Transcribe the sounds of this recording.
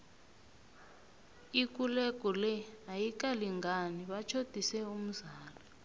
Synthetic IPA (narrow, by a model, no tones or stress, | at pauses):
ik̬ulɛk̬ʼɔlɛɦajik̬ʼaliŋɡaniɓat͡ʃʰod̥ʱisɛum̩zaːla